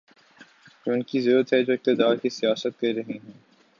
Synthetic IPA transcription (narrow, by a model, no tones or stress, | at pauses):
kʊnkizɾuːɾət̪ɦɛd͡ʒoːɪk̚t̪ɪd̪aːɾkisijaːsət̪̚kɐɾiɾɐɦiɦɛ̃ː